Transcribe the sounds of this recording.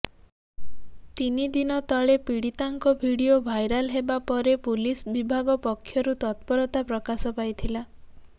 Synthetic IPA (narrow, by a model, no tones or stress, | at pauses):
t̪inid̪inɔt̪ɔɭepiɽit̪aŋkɔbʱiɽijobʱajɾalɦebapɔɾepulisbibʱaɡɔpɔkʰːjɔɾut̪ɔt̪̚pɔɾɔt̪apɾɔkasɔpajt̪ʰila